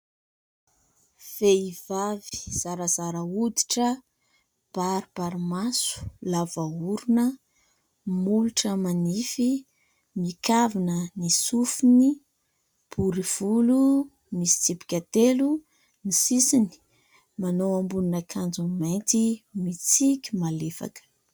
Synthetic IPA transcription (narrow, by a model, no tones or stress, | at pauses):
v̥eivavi̥z̥aɾəzaɾəud̪i̥ʈ͡ʂə | b̥aɾib̥aɾimasu̥lavauɾunə | muluʈ͡ʂəmanifi | mikavinənisufini | b̥uɾiv̥ulu | misi̥t͡sipi̥kʲat̪elu | nisisini̥ | manowambuninakʰand͡zumejnt̪imit͡sikʲimalefa̰kə̥